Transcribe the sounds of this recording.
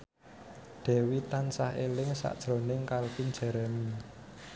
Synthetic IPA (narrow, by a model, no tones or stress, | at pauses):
d̪̥ɛ̤wit̪ansahelɪŋsa̰ʔd̥ʒ̥ɾo̤nɪŋkalpind͡ʒ̥ɛ̤ɾɛmi